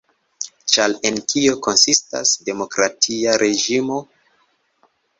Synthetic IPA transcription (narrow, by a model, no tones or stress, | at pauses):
t͡ʃale̞nkio̞ko̞nsista̰sde̞mo̞kɾatʰiaɾʔe̞d͡ʒimo̞